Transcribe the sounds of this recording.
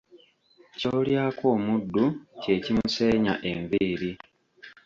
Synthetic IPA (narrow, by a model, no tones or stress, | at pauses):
coːljaːko̞ːmudːuce̞cimuse̞ːɲa̰ʔe̞ɱbiːɾi